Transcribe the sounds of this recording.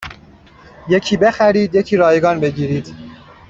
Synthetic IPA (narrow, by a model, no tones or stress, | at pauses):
je̞cʰiːbe̞xæɾiːd̪je̞cʰiːɾɒːjeɡɒːnbe̞ɟiːɾiːd̪̥